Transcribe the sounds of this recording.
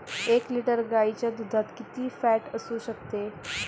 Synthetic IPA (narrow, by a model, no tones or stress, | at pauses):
ekliʈəɾɡait͡ɕjad̪ud̪ʱat̪kit̪iːfæʈəsuɕək̚t̪e